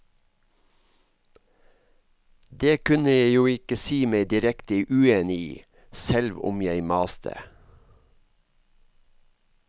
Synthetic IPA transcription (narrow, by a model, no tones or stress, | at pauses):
d̪eːkʰʉnəjæɪjuːɪkəsiːmæɪd̪ɪɾɛkt̪əʔʉːeːnɪ | sɛlʋʊ̰mjæɪmɑːst̪ʰə̰